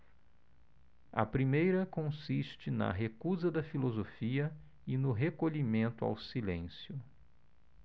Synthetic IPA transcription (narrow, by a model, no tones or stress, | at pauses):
ɐ̰pɾimejɾɐkõsiʃt͡ʃɪnɐ̰ɦekuzɐd̪ɐfilozofiɐ | ɪnʊɦekoʎimẽnt̪ʊa̰wsilḛ̃sjʊ